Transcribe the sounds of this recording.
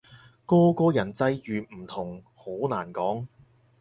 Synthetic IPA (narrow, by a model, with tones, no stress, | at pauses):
kɔː˥kɔː˧jɐ˨˩nt͡sɐ˧jjyː˨m̩˨˩t̪ʰʊ˨˩ŋ | ho˨˥wna̰ː˨˩nkɔː˨˥ŋ